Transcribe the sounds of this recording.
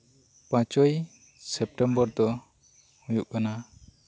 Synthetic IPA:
pãt͡ʃɔj | sɛp̚ʈɛmbɔɾd̪ɔ | hũjuʔkana

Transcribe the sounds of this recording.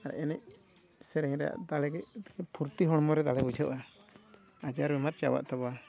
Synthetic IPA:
aɾɛ̰ʔɛnɛc̚ | sɛɾɛɲɾɛja̰ʔd̪alɛɡɛt̪kɛpʰuɾt̪iɦɔɽmɔɾɛd̪alɛbud͡ʒʱɔʔa | ad͡ʒaɾbɛmaɾt͡ʃa̰wa̰ʔt̪ɔba

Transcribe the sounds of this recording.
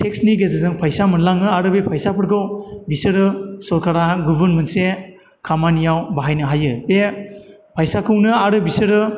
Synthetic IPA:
tʰeksniɡezɯzɯŋpʰajsamɯnlaŋɯaɾɯbepʰajsapʰɯɾɡɯwbisɯɾɯsɔɾkʰaɾaɡubɯɾnmɯnse | kʰamanijawbaɦajnɯɦajɯpe | pʰajsakʰɯwnɯaɾɯbisɯɾɯ

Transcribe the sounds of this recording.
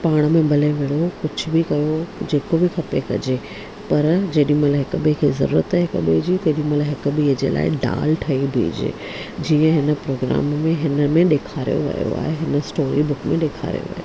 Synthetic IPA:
paːɽ̃mẽbɐleʋeːɽokʊd͡ʑʰʊbʱɪkɐjod͡ʑeːkobʱɪkʰɐpekɐ̰d͡ʑe | pɐɾd͡ʑeːɗĩmɐləɦɪkəbekʰezɐ̰ɾuːɾə̰t̪ɦɪkəbeːd͡ʑit̪ɐːɗĩmɐlɦɪkbiɦd͡ʑḛla̰ːɪɖa̰ːlʈʰɐibʱḛːd͡ʑḛː | d͡ʑiːə̃ɦɪnə̆pɾoːɡɾa̰ːmːẽɦɪnəmẽɗeːkʰaːɾḭjo̰ʋɐ̰jo̰a̰ːɦeɦɪnəsʈoːɾibʊkmẽɗeːkʰa̰ːɾḭjo̰ʋɐ̰jo

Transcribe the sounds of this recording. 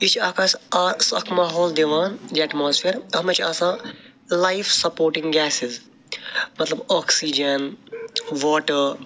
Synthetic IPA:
it͡ʃʰaːkaːsaːsɐkʰmaːɦoːld̪eʋaːnd͡ʒɛʈmoːspʰeːɾɐmɐt͡ʃʰaːsãː | lajfʰsɐpoːɾʈĩŋɡɡɛːsɪz | mɐt̪lɐbɔːksid͡ʒɐn | ʋɔːʈəɾ

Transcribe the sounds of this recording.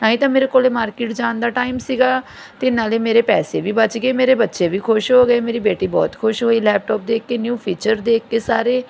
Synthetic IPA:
naːɦĩːt̪ãːmeːɾeːkoːleːmaːɾkɪːʈd͡ʒaːnd̪aːʈaːɪmsiːɡaː | t̪eɪɪnːaːleːmeːɾeːpɛːseːʋiːbət͡ʃɡeːmeːɾeːbətːʃeːʋiːkʰʊʃɦoːɡəeːmeːɾiːbeːʈiːbɔ̰ːt̪kʰʊʃɦoːiːlɛːp̚ʈɔːp̚d̪eːkːeːnjuːpʰiːt͡ʃəɾd̪eːkːeːsaːɾeː

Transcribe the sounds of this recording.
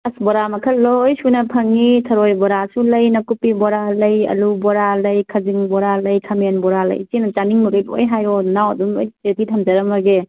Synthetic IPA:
ɐsbɔɾamɐkʰɐlojsunɐpʰɐŋitʰɐɾojbɔɾasulɐjnɐkupibɔɾalɐjɐ̰lubɔɾalɐjkʰɐziŋbɔɾalɐjkʰɐmenbɔɾalɐ̰jt͡ʃinɐt͡ʃaniŋmɐɡito̰jɦajɔnawɐ̰dumojtetitʰɐmd͡ʒɐɾɐmɐɡe

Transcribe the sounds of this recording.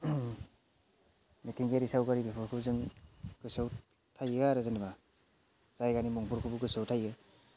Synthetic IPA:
mitʰiŋɡeɾisawɡaɾibipʰuɾkʰɯbzɯŋɡ̥ɯsɯw | tʰajɡaɾɯzɯniba | zajɡanimɔŋpʰuɾkʰubuɡɯsɯwtʰajɡɯ

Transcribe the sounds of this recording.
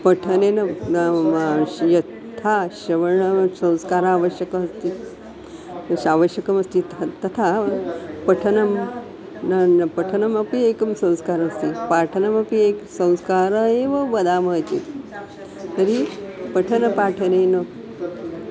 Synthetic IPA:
pɐʈʰɐnenɐ | jɐt̪ʰːaɕɐʋɐɳɐsɐ̃w̃skaːɾaːʋəɕjɐkɐɐst̪i | ɕaːʋəɕjɐkɐmɐst̪it̪t̪ɐt̪ʰa | pɐʈʰɐnɐm | nɐnpɐʈʰɐnɐmɐpiekɐmsɐ̃w̃skaːɾɐɐst̪ipaːʈʰɐnɐmɐpieksɐ̃w̃skaːɾɐeʋɐʋɐd̪aːmɐt̪ḛt̪ | t̪ɐɾipɐʈʰɐnɐpaːʈʰɐnenɐ

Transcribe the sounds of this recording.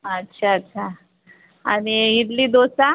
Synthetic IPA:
ətːɕʰaətːɕʰa | aɽiit̪liːd̪osa

